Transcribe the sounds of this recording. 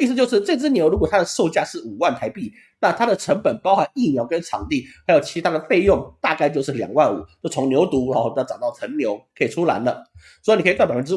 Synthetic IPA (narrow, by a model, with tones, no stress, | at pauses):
i˥˩sɨ˧t͡ɕjo˥˧ʊʂ̬ɻ̩˥˧ʈ͡ʂɤ˥˧t͡s̩˥njo˧˥ɻu˧˥kwt̪ʰa˥d̪ə˨ʂo˥˧ʊt͡ɕja˥˧ʂɻ̩˥˩u˨˩wa˥˩nt̪ʰa˧˥ɪpi˥˩ | na˥˨˩t̪ʰa˥d̪ə˨ʈ͡ʂʰə˧˥ŋpə˨˩npɑ˥ʊxa˧˦ni˥˩mjɑ˧˥ʊkə˦nʈ͡ʂʰɑ̰˨˩ŋt̪i˥˩xa˧˥jo˨˩ʊt͡ɕʰi˧˥t̪ʰa˥d̪ə˨fe˥˧ɪjʊ˥˩ŋt̪a˥˧ka˥˧ɪt͡ɕjo˥˧ʊʂɻ̩˥˩ljɑ̰˨˩ŋwa˥˩nṵ˨˩˦t͡ɕjo˥˩ʊt͡sʰʊ˧˥ŋnjo˧˥ʊt̪u˧˥lna˥˩ʈ͡ʂɑ˨˩ʊt̪ɑ˥˩ə˧˥nnjo˧˥ʊkʰə˧˥i˨˩ʈ͡ʂʰu˥la̰˧˥ɪlə˧ | swɔ˧˥i˨˩ni˨˩ktwa˥˩pa˨˩fə˥n˥ɻ